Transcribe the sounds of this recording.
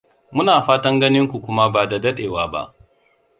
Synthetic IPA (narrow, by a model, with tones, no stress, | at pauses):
mʊ˦naː˨ɸaː˦tɐ˦ŋɡɐ˦nɪ˦ŋkʷu˨kʷʊ˦ma˦baː˨da˨dɐ˦ɗeː˨waː˦ba̰˦ʔ